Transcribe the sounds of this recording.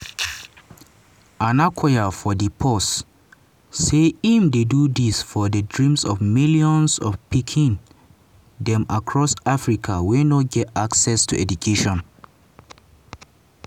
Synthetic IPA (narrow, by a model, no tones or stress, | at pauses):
ãnakʰajafɔdipʰɔsː | eimdedudisfɔdədɹĩmsɔvmiljɔ̃nsɔfpikʰĩn | dɛ̃makʰɹɔsafɹikʰawɛnɔɡɛtaksɛstʰṵʔɛdukʰeʃɔ̃n